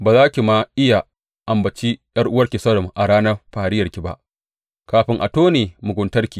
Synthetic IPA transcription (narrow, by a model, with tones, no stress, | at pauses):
baː˨zaː˦kʲi˨ma˦ʔɪ˦ja˨ | ʔa˨mbɐ˨t͡ʃiː˦jɐ˦rʔʊ˦wɐ˦rkʲi˨sɐ˦ɽɔ˨mʔa˨ɽaː˦nɐ˦rɸaː˨ɽɪ˦jɐ˨rkʲi˨ba̰˦ʔ | kaː˨ɸɪ˦ŋʔa̰˨toː˦neː˨mʊ˨ɡʷʊ˨ntɐ˦rkʲiː˨